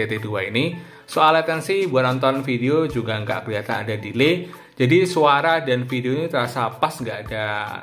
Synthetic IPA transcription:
et̪eduaini | soalat̪ɛnsɪhbuat̪ant̪ɔnfideod͡ʒuɡaŋɡa̰ʔkəliat̪anadadile | d͡ʒadisuaɾadanfideoɲat̪əɾasapasŋɡaʔːda

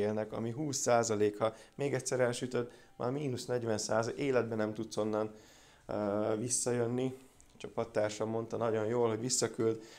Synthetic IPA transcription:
eːlnɛkɒ̰miɦuːsːaːzɒleːkɒmeːɡɛcʲsɛɾɛnʃyt̪ød̪ | ma̰ːrmiːnusnɛɟʋɛnsaːzɒeːlɛd̪̚bɛnɛmt̪ut̪so̞nːɒnː | visːɒjønːi | t͡ʃɒpɒt̪ːaːrʃɒmo̞nt̪ɒnɒɟo̞njoːlɦoɟʋisːɒkyld̪

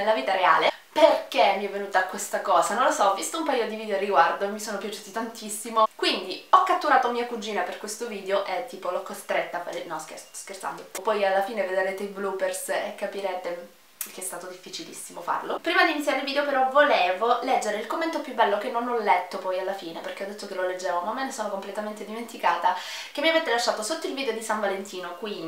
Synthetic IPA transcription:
laviːt̪aɾea̰ːle | perkemːiɛvːenuːt̪aːkːwest̪akɔːzanõlosɔvːist̪oumpajod̪iviːd̪eoarːiɡward̪omisoːnopjat͡ʃuːt̪it̪ant̪isːimokwind̪iɔkːat̪ːuɾaːt̪omiːakud͡ʒiːnaperkwest̪oviːd̪eoʔet̪ːiːpolɔkːost̪ɾet̪ːafaɾenɔskḛskert̪sa̰nd̪opɔjalːafiːneved̪ɾeːt̪eiblupersekːapiɾɛːt̪e | keɛst̪aːt̪od̪ifːit͡ʃilḭsːimofa̰rlopɾiːmad̪iːnit̪sjaɾeilviːd̪eopeɾɔvoleːvolɛd͡ʒːeɾeilkomːent̪opjubːɛlːokenːonɔlːɛt̪ːopɔjalːafiːneperkeɔd̪ːet̪ːokeloled͡ʒːɛːvomamːenesoːnokomplet̪ament̪ed̪iment̪ikaːt̪ak̟eamːiaveːt̪elaʃːaːt̪osot̪ːoilviːd̪eod̪isaɱvalent̪iːnokwi

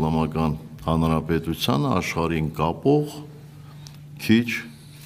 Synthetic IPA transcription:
nɑmɑkɑnhɑnɾɑpɛt̪ut͡sʰjɑnəɑʃχɑɾinkɑpɔʁ | kʰit͡ʃʰ

